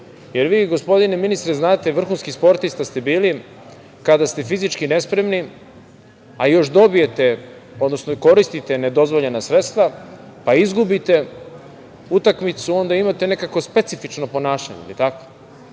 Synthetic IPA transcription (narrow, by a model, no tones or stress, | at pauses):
je̞ɾʋiːɡospo̞d̪ineminist̪ɾeznaːt̪e̞ʋr̩xunskispo̞ɾt̪ist̪ast̪ebiːli | kad̪ast̪e̞fizit͡ʃkine̞spɾe̞mni | ajo̞ʃd̪o̞bije̞t̪e̞ | o̞d̪no̞snoko̞ɾist̪it̪e̞ne̞d̪o̞zʋo̞ʎenasɾe̞t̪st̪ʋapaizɡubit̪e̞ | ut̪akmit̪suo̞nd̪aimat̪e̞ne̞kako̞spe̞t̪sifit͡ʂno̞po̞naːʃa̰ɲḛḭlit̪ako̥